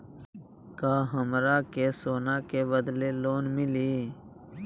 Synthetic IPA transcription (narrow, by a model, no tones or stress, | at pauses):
kaːɦəmɾaːkesoːnaːkebəd̪leloːnmɪliː